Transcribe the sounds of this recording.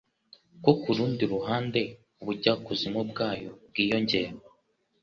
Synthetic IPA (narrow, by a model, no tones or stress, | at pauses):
kokuɾuːndiɾuɦaːnde̞ | uβuɟakuzimub̚ɡaːjo̞b̚ɡiːjo̞ɲɟe̞ːɾa